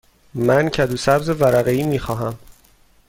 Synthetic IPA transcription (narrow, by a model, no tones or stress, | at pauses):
mæncʰæd̪uːsæbzevæɾæɣe̞iːmiːxɒːɦæm